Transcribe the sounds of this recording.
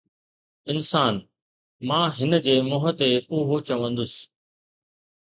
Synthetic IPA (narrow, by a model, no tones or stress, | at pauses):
ɪnsaːn | mãːɦɪnə̆d͡ʑeːmʊːɦət̪eʊɦot͡ɕɐʋə̃nd̪ʊs